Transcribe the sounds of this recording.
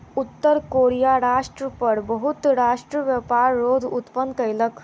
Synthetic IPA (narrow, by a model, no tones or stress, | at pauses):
ut̪ːəɾkoɾijaɾaʂʈɾəpəɽbəɦut̪ɾaʂʈɾəʋjəpaɾːoːd̪ʱut̪pənkəjlək